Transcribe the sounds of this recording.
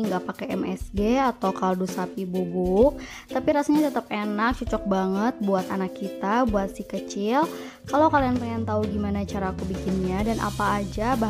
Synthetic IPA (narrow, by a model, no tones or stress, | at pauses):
ŋɡapakɛɛmʔɛsɡeat̪awkaldusapibubuʔ | t̪apiɾasaɲat̪ət̪əp̚enak̚t͡ʃut͡ʃɔk̚baŋət̪̚buat̪anakːit̪abuat̪sɪhkət͡ʃɪl | kalakalianpəŋant̪auɡimanat͡ʃaɾaːkubikɪnɲadanʔa̰paːd͡ʒaba